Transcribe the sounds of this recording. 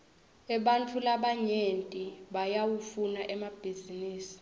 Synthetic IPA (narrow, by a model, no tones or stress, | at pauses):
ɛɓantʰulaɓaɲentʼiɓajawufunaʔɛmab̥ʱiziniːsi̥